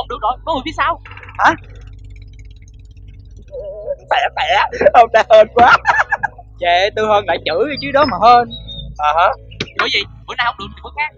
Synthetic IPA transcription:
ə˨wŋ͡mɗɨ˨˩ək̚zo˨˩jkɔ˨˦ht̪i˨˦saː˧wha˨˦ | fɛ˧˩fɛ̰˧˨˧ʔə˧wŋ͡mɗa˨˦həː˧nkwaː˨˦ | t͡ɕɛ˧˨˩t̪ɨ˧həː˧nla̰ː˧˨jt͡ɕɨ̰˧˩˥a˨˦t͡ɕi˨˦ɗɔ˨˦maː˨˩həː˧nʔəː˨˩ha˨˦˥ | ɓəː˨˦jvi˨˩mo̰˨˦naː˧˩ha˨˩w̚ɗɨ˨˩ŋ̚i˨˩mə˧˨˦jxaː˦˥k̚

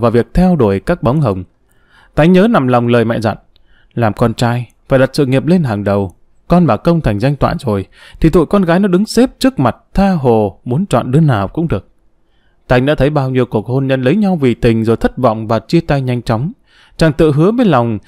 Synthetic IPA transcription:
vaː˨˩vi˨˩ək̚t̪ʰɛ˧wɗo˧˩əjkaː˦˥k̚ɓa˨˦wŋ͡mɦə˨˩wŋ͡m | t̪a˨˦jɲəː˨˦na˨˩mla˨˩wŋ͡mləː˨˩jmɛ̰˧˨za̰˧˨n | laː˨˩mkɔ˧nt͡ɕaː˧jfaː˧˩jɗa˨˩t̚sɨ̰˧˨ŋi˨˩əp̚le˧nɦaː˨˩ŋɗə˨˩w | kɔ˧nɓaː˨˩kə˧wŋ͡mt̪ʰa˨˩ŋ̟za˧jŋ̟t̪wa̰ː˧˨jzo˨˩jt̪ʰi˨˩t̪ṵ˧˨jkɔ˧nɣaː˨˦jnɔ˨˦ɗɨ˨˦ŋse˦˥p̚t͡ɕɨ˦˥ək̚ma˨˩t̚t̪ʰaː˧ɦo˨˩mu˨˦ənt͡ɕɔ̰˧˨nɗɨ˨˦ənaː˨˩wkʊ̰˧˥ŋ͡mɗɨ˨˩ək̚ | t̪a˧j̟ɗa̰ː˧˥t̪ʰjɓaː˧wɲi˧əwku˨˩ək̚ho˧nɲə˧nlə˨˦jɲa˧wvi˨˩t̪ï˨˩ŋ̟zo˨˩jt̪ʰə˦˥t̚vɔ̰˧˨wŋ͡mvaː˨˩t͡ɕi˧ət̪a˧jɲa˧jŋ̟t͡ɕɔ˨˦wŋ͡m | t͡ɕaː˨˩ŋt̪ɨ̰˧˨ɦɨ˨˦əve˨˦nla˨˩wŋ͡m

